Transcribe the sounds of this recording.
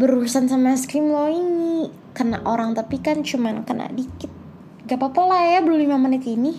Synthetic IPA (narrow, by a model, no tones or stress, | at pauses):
bəɾulusansamaskɾɪmlɔini | kəna̰ʔoɾaŋt̪apikant͡ʃumankəna̰ʔdikɪt̪̚ | ɡapapolajabəlulimamənɪt̪ini